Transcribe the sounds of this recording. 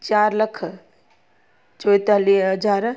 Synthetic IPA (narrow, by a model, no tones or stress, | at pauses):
t͡ʃaɾləkʰ | t͡ʃɔjt̪aliɦəd͡ʒʱaɾ